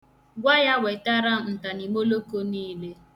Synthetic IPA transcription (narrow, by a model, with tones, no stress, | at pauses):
ɡʷa˦ja˦we˨ta˦ɾa˦n̩˨ta˨ni˨mo˦lo˦ko˦niː˦le˦